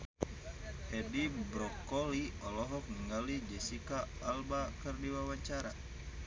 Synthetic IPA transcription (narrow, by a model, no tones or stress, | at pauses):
ʔɛdibɾɔkɔliɔlɔɦɔk̚niŋalid͡ʒɛsikaːlbakərdiwawaɲt͡ʃaɾa